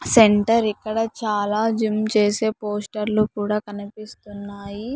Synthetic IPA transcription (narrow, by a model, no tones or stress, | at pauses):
seɳʈɐɾikːɐɽɐt͡ʃaːlaːd͡ʒimt͡ʃe̞ːse̞ːpo̞ːsʈɐɾlukuːɽaːkɐnipist̪unːaːji